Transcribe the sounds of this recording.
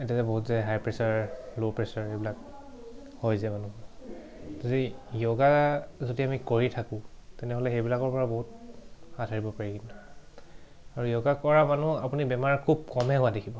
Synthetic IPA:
ɛtiazɛboɦutzɛɦajpɹɛsaɹlopɹɛsaɹejbilak | hojzɛmanu | zodijoɡazodiamikoɹitʰakʊ̃tɛnɛɦolɛxejbilakɔɹpɔɹaboɦut̚xatʰaɹibɔpaɹikintu | aɹujoɡakɔɹamanuapunibɛmaɹkʰub̚kɔmɛɦʊadekʰibɔ

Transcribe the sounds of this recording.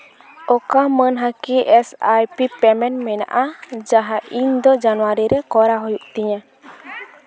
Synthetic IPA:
ɔkamənɦakiʔɛsajpipɛmɛnmɛna̰ʔad͡ʒaɦaʔiɲd̪ɔd͡ʒanuwaɾiɾɛkɔɾaɦɔjuʔt̪iɲa

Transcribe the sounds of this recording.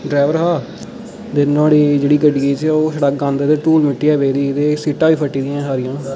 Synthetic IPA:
ɖɾaːɪʋəɾɦaː | d̪ɪnãːɽiːd͡ʒeːɽiːɡəɖiet͡ʃɛoːsəɽəkɡãːnd̪et̪eːʈuːlmɪʈːiːɛːʋeːd̪iːt̪eːsiːʈãːʋiːpʰəʈːiːd̪ĩːãːsaːɾɪ̃jãː

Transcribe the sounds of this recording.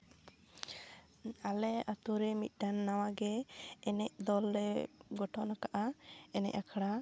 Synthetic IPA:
alɛat̪uɾɛmit̪̚ˀɖanːawaɡɛːnɛʔd̪ɔlɾɛɡɔʈɔnakaʔaɛnɛ̰ʔakʰaɽa

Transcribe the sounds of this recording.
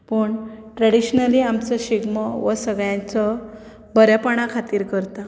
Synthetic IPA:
pəɳʈɾɛɽiɕnəliamt͡səɕiɡməʋəsəɡɭjãt͡sɔ | bʱəɾjapaɽ̃akʰat̪iːɾkəɾt̪a

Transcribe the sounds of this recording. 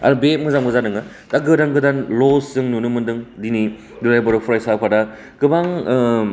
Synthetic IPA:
a̰ɾubet̚mɯzamɡɯzanɯŋɯ | taɡɯdanɡɯdanloszɯŋnunɯmɯndɯŋdini | duɾajbɔɾɯpʰuɾajsapʰada | kɯbaŋ

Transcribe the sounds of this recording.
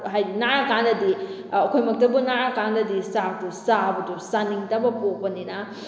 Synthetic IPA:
ɦajbinaɾɐkandɐdi | ɐkʰojmɐk̚tɐbunaɾɐkandɐdisatusabɐdusaniŋtɐbɐpopɐninɐ

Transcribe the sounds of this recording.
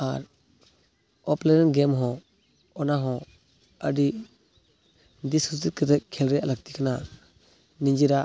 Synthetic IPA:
aɾ | ɔplɛɾɛnɡɛmɦɔ̃ | ɔnaɦɔ̃ | əɖi | d̪isʰusikɛt̪ɛkʰɛlɾɛjalaɡ̚t̪ikana | niɲd͡ʒiɾa

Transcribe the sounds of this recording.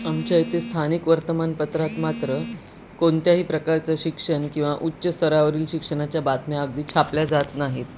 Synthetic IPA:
amt͡ɕajt̪est̪ʰanikʋəɾt̪əmanpət̪ɾat̪mat̪ɾə | koɳt̪jaɦiːpɾəkaɾt͡səɕikʂəɳkĩw̃ʋaʔutːɕəst̪ʰəɾaʋəɾiːlɕikʂəɳat͡ɕjabat̪mjaəɡd̪iːt͡ɕʰapljad͡zat̪naɦit̪

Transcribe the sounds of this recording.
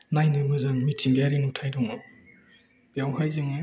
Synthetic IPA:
najnɯmɯzaŋmitʰiŋɡaɾinutʰajdɔŋɔ | bijawɦajzɯŋe

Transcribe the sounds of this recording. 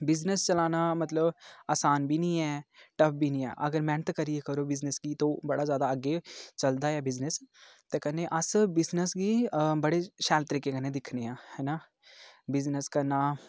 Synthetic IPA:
bɪznəst͡ʃɐlaːnamɐt̪ləbaːsaːnbʱinĩɛːʈɐp̚ʰbinĩɛ̰̃ːʔɐɡəɾmɛ̃ːnət̪kəɾiekəɾobɪznəsɡit̪obɐɽazjaːd̪aəɡet͡ʃɐld̪aɦɛːbɪznəst̪eːkəneʔɐsbɪznəsɡibɐɽeʃaːlt̪əɾiːkekənẽd̪ɪkʰneãːhɛna | bɪznəskɐɾnaː

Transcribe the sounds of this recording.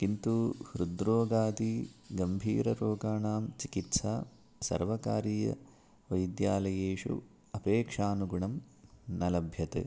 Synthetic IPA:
kint̪uhɾud̪ɾoːɡaːt̪iɡɐmbʱiːɾɐɾoːɡaːɳaːmt͡ʃikit̪saː | sɐ̰ɾʋɐka̰ːɾiːjɐ̰ | ʋɐjd̪jaːlɐjeːʂṵ | ɐpeːkʂaːnuɡuɳɐm | nɐlɐbʱjɐt̪ḛ

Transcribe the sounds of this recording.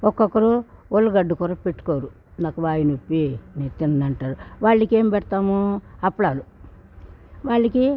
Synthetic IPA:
ɔkːɔkːɐɾuolːɐɡɐɖːukɔɾɐpeʈːu̥koːɾu | naːkuʋaːjinopːineːt̪inɐnɐɳʈaːɾuʋaːɭːɐke̞ːmipɛɽɐt̪aːmuɐpːɐɭaːlu | ʋaːɭːɐki

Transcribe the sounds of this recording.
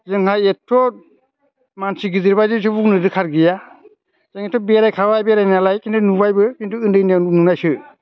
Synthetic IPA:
zɯŋhajetʰːɔ | mansiɡizɯɾbajzɯsɯbuŋnɯdɯkʰaɾɡija | zeŋetʰɔbeɾajkʰawajbeɾajnalajkintʰunubajbɯkintuɯndɯjnannunajsɯ

